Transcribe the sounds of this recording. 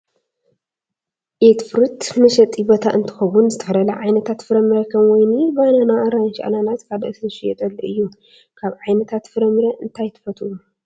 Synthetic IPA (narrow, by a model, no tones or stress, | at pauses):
ʔet̪fɨɾɨt̪mɐʃɐt̪ʼibot̪ʰaʔɨnt̪ʰɨ̥xɐwunzɨt̪ʰɨ̥ħɾɐlɐʕajnɐt̪ʰat̪fɨɾɐmɨɾɐkʰɐmwɔjnibajnanaʔɐɾajnʃa̰ʔlalat̪kʰalɐ̰ʔɨsnɨʃijɛt̪ʼɐlːɨʔɨjːu | kʰaβʕajnɐt̪ʰat̪fɨɾɐmɨɾɐʔɨnt̪ʰajt̪ʰɨ̥fɐt̪ʰuu